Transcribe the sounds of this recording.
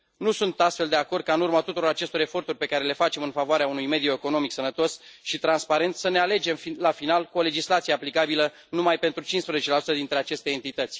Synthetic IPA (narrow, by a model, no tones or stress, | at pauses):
nusunt̪ast̪fe̞ld̪e̞ako̞rd̪̚kaɨnurmat̪ut̪uɾo̞ɾat͡ʃe̞st̪oɾe̞fo̞rt̪urʲpe̞kaɾe̞le̞fat͡ʃe̞mɨnfavoaɾeaunujme̞d̪ioeko̞no̞miksənət̪o̞sʃit̪ɾanspaɾe̞nt̪səne̞ale̞d͡ʒe̞mfilafinalkuo̞le̞d͡ʒislat̪sije̞aplikabilə | numajpe̞nt̪ɾut͡ʃinspɾezet͡ʃe̞lasu̥t̪əd̪int̪ɾe̞at͡ʃe̞st̪eent̪it̪ət̪sʲ